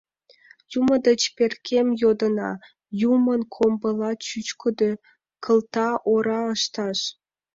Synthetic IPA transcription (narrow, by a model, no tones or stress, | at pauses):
jumə̆d̪ə̆t͡ɕpʲerkʰʲemjod̪ə̆nɑ̰ | jumə̆nkʰombɤ̆lˠɑt͡ɕyt͡ɕkʰəd̪ø | kʰə̆lt̪ɑʔoɾɑəʃt̪ɑʃ